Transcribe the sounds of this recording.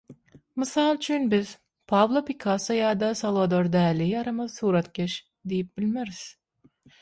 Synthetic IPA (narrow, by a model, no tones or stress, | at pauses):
mɨsɑlˠt͡ʃʰynbiz | pʰɑvlˠopikʰɑsajɑːd̪ɑsalˠvod̪oɾd̪æːliɑɾɑmɑzɯsuːɾɑt̪ɡʲeʃ | d̪ejip̚bilʲmeɾiz̥